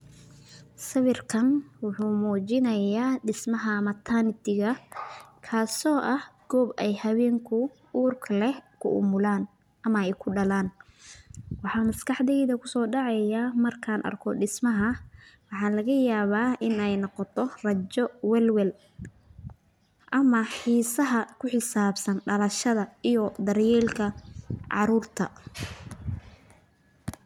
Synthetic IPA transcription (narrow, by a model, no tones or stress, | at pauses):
sɐβɪrkʰɐnwʊħuːmuːt͡ʃɪnɐjaːɖɪsmɐɦɐmɐt̪ʰanɪt̪ʰɪɣɐkʰaːsɔːʔɐhɡ̥ɔːbɛjhɐβɛːŋkʰʊ | uːrkʰlɛhkʰʊ̰ʔʊ̰mʊlaːn | ʔɐmɐɛjkʰʊɖɐlaːn | wɑħɑːmɐskʰɑħd̪ɛjðɐkʰʊsɔːɖɑʕɑjaːmɐrkʰaːnʔɐ̰rkʰɔɖɪsmɐɦɐwɑħɑːlɐɣɐjaːβaːɪnɛjnɔqɔt̪ʰɔrɐt͡ʃɔwɛlwɛl | ʔɐmɐħiːsɐɦɐkʰʊħɪsaːbsɐnɖɐlɐʃɐðɐijɔd̪ɐɾjɛːlkʰɐʕɑ̰ɾuːrt̪ʰɐ